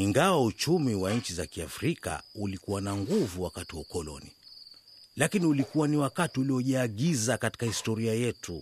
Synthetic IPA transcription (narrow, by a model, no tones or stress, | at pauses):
iŋɡawaut͡ʃumiwaɲ̩t͡ʃizakiafɾika̰ulikuwanaŋɡuvuwakatiwaukɔlɔ̰nḭ | lakiniulikuwaniwakatiuliɔʄaːɠizakati̥kahistɔɾiajɛtu